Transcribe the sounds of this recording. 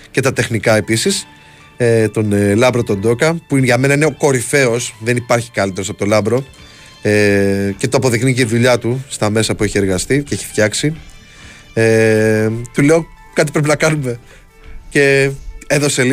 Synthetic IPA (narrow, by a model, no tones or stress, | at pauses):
ce̞t̪ɐt̪e̞xnikɐe̞pisis | et̪o̞nlɐbɾo̞t̪o̞nd̪o̞kɐpuinʝɐme̞nɐine̞o̞ko̞ɾife̞o̞sðe̞nipɐɾçi̥kɐlit̪eosɐpo̞t̪o̞lɐbɾo̞ | ece̞t̪oɐpo̞ðikniceiðuʎɐt̪ust̪ɐme̞sɐpue̞çie̞ɾɣɐst̪iceçi̥ft̪çɐksi | e | t̪uleo̞ | kɐt̪ipɾepinɐkɐnume̞ | ce̞eðo̞se̞l